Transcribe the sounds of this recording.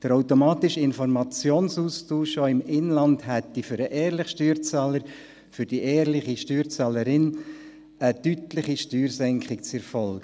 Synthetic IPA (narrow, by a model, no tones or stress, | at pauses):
d̪̥əɾɔwtomɑːt̪ɪʃɪnfɔɾmɑt͡sjoːnsuːstuːʃoɪmɪnlɑndhɛt̪ːiføɾəʔɛːɾlɪχʃtyːɾt͡saːləɾ | fʏɾd̥iʔɛːɾlɪχiʃtyːɾt͡sɑləɾɪn | ətytlɪχiʃtyːɾsɛŋkʰχɪkt͡sɛɾfɔlk